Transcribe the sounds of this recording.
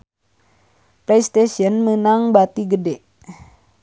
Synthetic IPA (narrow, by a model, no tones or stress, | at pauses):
plejst̪esɔnmənaŋbat̪iɡədɛ